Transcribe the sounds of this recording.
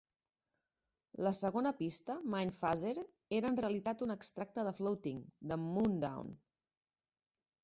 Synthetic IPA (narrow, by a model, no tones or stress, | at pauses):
ləsəɣ̞onəpist̪əmajnfazeɾ | eɾəːnreəlit̪at̪unəkst̪ɾak̚t̪əðəflowt̪iŋd̪əmund̪a̰wn